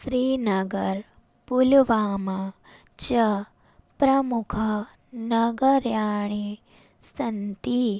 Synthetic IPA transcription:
sɾiːnɐɡəɾ | pulʋaːma | t͡ʃɐ | pɾɐmukʰɐ | nɐɡəɾjaːɳ̃i | sɐnt̪i

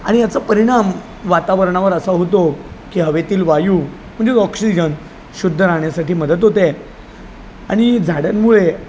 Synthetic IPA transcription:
a̰ɽ̃ijat͡sapəɾiɽ̃am | ʋat̪aʋəɾɳaʋəɾəsaɦot̪okiːɦəʋet̪iːlʋajuː | m̤əɳd͡zeɔksid͡ʑən | ɕud̪ʱːəɾaɳjasaʈiːməd̪ət̪̬ɦot̪e | a̰ɽ̃id͡zʱaɽanmuɭe

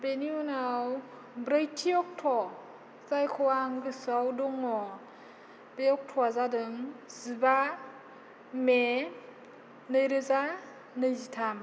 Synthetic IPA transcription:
beniunaw | bɾəjtʰiɔk̚tʰɔ | zajkʰɔwaŋɡɯsawdɔŋɔ | beɔk̚tʰɔazadɯŋziba | me | nɯjɾɯza | nɯjzitʰam

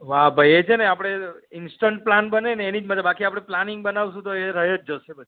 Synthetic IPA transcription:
ʋabʱajet͡ʃʰeneapɽ̃eɪnsʈəɳʈ̚planbəneneːnid͡ʒmət̪ləbakiapɽ̃eplaniŋɡ̚bənaʋsũt̪oeɾəɦed͡ʒd͡ʒəʃebəd̪i

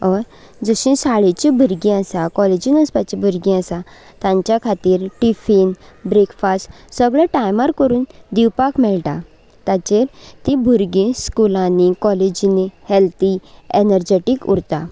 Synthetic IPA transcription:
ɔɾ | d͡zəɕĩsaɭet͡ɕibʱəɾɡĩasakɔled͡ʑinəspat͡ɕibʱuɾɡĩəsa | t̪ãɲt͡ɕjakʰat̪iːɾʈifinbɾekfast | səɡɭaʈajmaɾkəɾuːnd̪iwpakmɛɭʈ̪ã | t̪at͡ɕeɾt̪ĩbʱuɾɡĩskulãnikɔled͡ʑinihelt̪ienəɾd͡ʑeʈikṵɽt̪a

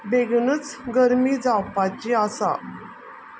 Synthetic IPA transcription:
beɡnət͡sɡəɾmiːd͡zawpat͡ɕiasa̰

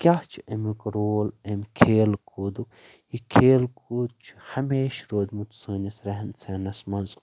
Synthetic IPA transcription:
kʲaht͡ʃʰiemikɾoːlemʲkʰeːlkʰuːd̪uk | jikʰeːlkuːd̪̚t͡ʃʰu̥hɐmeːʃɾoːd̪mut̪səːnɐsɾɐɦɐnseːnɐsmɐnz

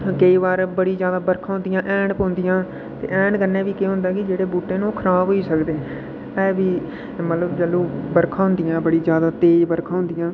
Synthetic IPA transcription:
kəiːʋaːɾbəɽiːzjaːd̪aːbəɾkʰãːɦʊ̃nd̪ɪjãːʔɛːɳpõːnd̪ɪjãː | t̪ḛːʔɛːɳkəɾnẽːbiːkeɦʊ̃nd̪aːkɪd͡ʒeːɽeːbuːʈːẽːñoːkʰəɾaːbɦoːiːsəkd̪eː | ɛːbiː | mət̪ləbd͡ʒəlũːbəɾkʰãːɦʊ̃nd̪ɪjãːbəɽiːzjaːd̪aːt̪eːd͡ʒbəɾkʰãːɦʊ̃nd̪ɪjãː

